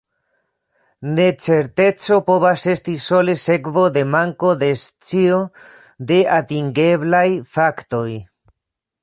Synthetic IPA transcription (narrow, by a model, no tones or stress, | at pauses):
ne̞t͡se̞ɾte̞t͡so̞po̞βase̞stiso̞lese̞kvo̞d̪e̞maŋko̞d̪e̞st͡sio | d̪e̞atiŋɡe̞blajfakto̞j